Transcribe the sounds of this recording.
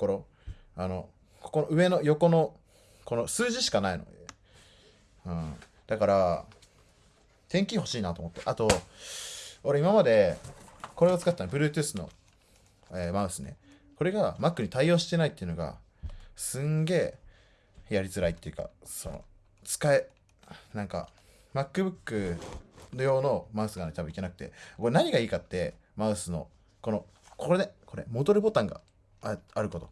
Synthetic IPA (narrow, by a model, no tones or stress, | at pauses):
koɾo | ano̞ | kʰo̞̥ko̞noɯ̟e̞no̞jo̞ko̞no̞ | ko̞no̞sɨːʑiɕi̥kanaino̰d̪e | ɯ̟̃ː | d̪̥akaɾa | t̪ẽ̞ŋkʲiaho̞ɕiːnat̪o̞mo̞t̪ːeʔat̪o̞ | oɾe̞imamad̪e̞ | ko̞ɾe̞ot͡sɨ̥kat̪ːanbɯ̟ɾɯːt̪ɯːsɨno̞̰ | emaɯ̟sɨne̞̰ | ko̞ɾe̞ɡamakːɯ̟ɲ̟it̪aio̞ːɕi̥t̪e̞nait̪ːeiɯ̟no̞ɡa̰ | sɨ̃ŋɡe̞ː | jaɾʲizɨɾait̪ːe̞iɯ̟ka̰so̞no̞̰ | t͡sɨ̥kae | nãŋka̰ | makːɯbɯ̟kːɯ̟no̞jo̞ːno̞maɯ̟sɨɡanɲit̪abɯ̃ike̞nakɯ̟̥t̪e̞̰konaɲ̟iɡaiːkat̪ːe̞ | maɯ̟sɨno̞̰ | ko̞no̞ | kʰoɾenekʰo̞ɾe̞̰mo̞d̪o̞ɾɯ̟bo̞t̪ãŋɡa̰ | aɾɯ̟ko̞t̪o̞̰